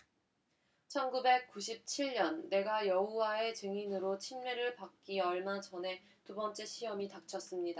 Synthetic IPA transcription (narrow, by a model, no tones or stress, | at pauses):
t͡ɕʰʌnɡube̞k̚k͈uɕ̬ʰip̚t͡ɕʰiɭɲʌnːe̞ɡajʌuwae̞t͡ɕɯŋinɯɾot͡ɕʰimɲeɾɯɭpak̚k͈iʌɭmad͡ʑʰʌnɦe̞ | tubʌnt͡ɕ͈e̞ɕʰijʌmitak̚t͡ɕʰʌs͈ɯmɲida